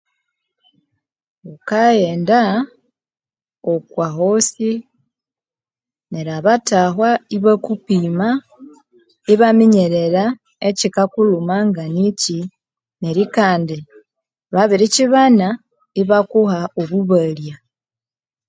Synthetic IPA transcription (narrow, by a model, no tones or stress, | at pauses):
okajeːnda | okwaɦo̞si | neɾaβataɦwaiβakupiːma | iβamiɲeɾe̞ɾa | ecikakulumaŋɡanici | ne̞ɾikaːndi | βaβiɾiciβana | iβakuhaoβuβalja